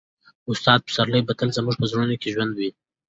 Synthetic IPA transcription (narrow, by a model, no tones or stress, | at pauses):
ʊst̪ɑd̪̚pə̥saɾləjbad̪əlzəmuʐpəzɽunokeʒwand̪wi